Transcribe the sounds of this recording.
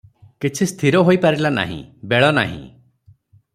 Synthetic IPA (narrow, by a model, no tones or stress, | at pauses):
kit͡ʃʰist̪ʰiɾɔɦojpaɾilana̰ɦḭ̃beɭɔna̰ɦḭ̃